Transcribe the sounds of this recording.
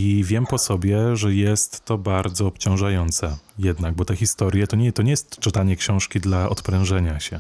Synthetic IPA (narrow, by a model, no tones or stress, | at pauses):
ivʲjɛmpɔsɔbʲjɛʐɛjɛst̪ːɔbaɾd̪zɔːpt͡ɕɔ̃w̃ʐajɔnt̪sɛjɛd̪naɡ̚bɔt̪ɛxʲist̪ɔɾʲjɛt̪ɔɲɛt̪ɔɲɛjɛst̪t͡ʂɘt̪aɲɛkɕɔ̃w̃ʂkʲid̪laʔɔ̰t̪pɾɛ̃w̃ʐɛɲaɕɛ